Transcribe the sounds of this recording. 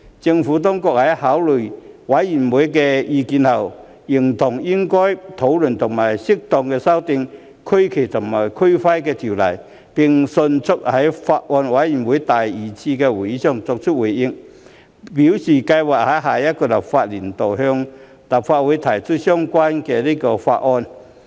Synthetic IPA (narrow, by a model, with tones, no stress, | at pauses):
t͡sɪ˧ŋfu˨˥t̪̬ɔ˥ŋkɔ˧˩k̚hɐ˨˥jhaː˨˥wlɵ˨˩jwa˨˥jːi˨˩nwuː˨˥jk̬ɛː˧jiː˧kiː˨˥nhɐ˨˩w | ji˨˩ŋt̪ʰʊ˨˩ŋjɪ˥ŋkɔː˥jt̪ʰo˨˥wlɵ˨˩nt̪ʰʊ˨˩ŋmaː˨˩jsɪ˥k̚t̪ɔː˧˩ŋkɛː˧sɐ˥wt̪ɪ˧ŋ | kʰɵ˥ɥkʰe˨˩jt̪ʰʊ˨˩mma˨˩jkʰɵ˥ɥfa˥jkɛː˧t̪ʰi˨˩wlɐ˨˩j | pɪ˨˩ŋsɵ˧nt͡sʰʊ˥k̚hɐ˨˦˥jfaː˧t̚ʔɔː˧nwa˨˥jji˨˩nwuː˨˥jt̪a˨˩ji˨˩t͡sʰiː˧kɛ˧wu˨˩ji˨˧˥sœː˨˧ŋt͡sɔ˨k̚t͡ʃʰʊ˥t̚wu˨˩jɪ˧ŋ | piː˨˥wsiː˨˩kɐ˧jwaː˨˩k̚hɐ˨˥jɦaː˨˩jɐ˥t̚kɔː˧lɐ˨˩p̚faː˧t̚li˨˩nt̪o˨wɦœː˧ŋ | lɐ˨˩p̚faː˧t̚wuː˨˥jt̪ʰɐ˨˩jt͡sʰʊ˥t̚sœː˥ŋkwaː˥nkɛː˧liː˥kɔː˧fa̰ː˧t̚ʔɔː˧n